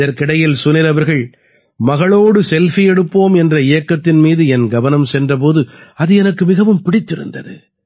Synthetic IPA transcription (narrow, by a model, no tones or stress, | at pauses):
ðɐɾkɪɽɐjɪlsʊnɪɾɐʋɐɾɣɐɭ | mɐɣɐɭoːɽɯsɛlfijɛɽɯpːoːmɛndrɐɪjɐkːɐt̪ːɪnmiːðɯɛnɡɐʋɐnɐmsɛndrɐp̬oːðɯɐðɯɛnɐkːɯmɪɣɐʋɯmpɪɽɪt̪ːɪɾɯ̰nd̪ɐ̰ðɯ̰